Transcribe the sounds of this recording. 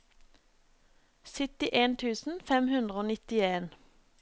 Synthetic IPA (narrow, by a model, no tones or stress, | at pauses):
sɪt̪ɪʔeːnt̪ʰʉːsn̩fɛmhʉnd̪ʁəoːnɪt̪ɪeːn